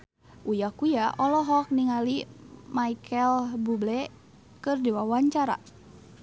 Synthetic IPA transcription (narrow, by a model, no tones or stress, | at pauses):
ʔujakujaʔɔlɔɦɔk̚niŋalimaikʰɛlbublɛ | kɨrdiwawaɲt͡ʃaɾa̰